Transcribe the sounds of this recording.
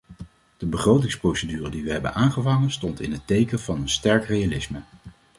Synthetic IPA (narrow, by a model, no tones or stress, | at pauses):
d̥əbəχrowtɪŋsprowsədyːrədiʋəɦɛbə̰nʔaːnχəvɑŋənstɔntɪ̰nɦətejkənvɑnənstɛɹkrejalɪsmə